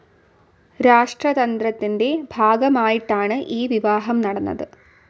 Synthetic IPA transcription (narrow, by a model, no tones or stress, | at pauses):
ɾaːʂʈrɐd̪ɐnd̪ɾɐt̪ːinde̞bʱaːɡɐmaːjiʈːaːɳɨʔiːʋiʋaːɦɐmnɐɽɐnːɐ̰ðɨ